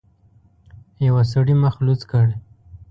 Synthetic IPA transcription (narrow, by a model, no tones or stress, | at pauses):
jawas̬aɽimaxlut͡skaɽe